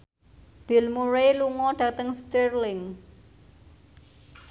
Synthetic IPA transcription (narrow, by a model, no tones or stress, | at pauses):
b̥ɪ̤lmuɾeluŋɔɖ̥ä̤t̪əŋst̪ərlɪŋ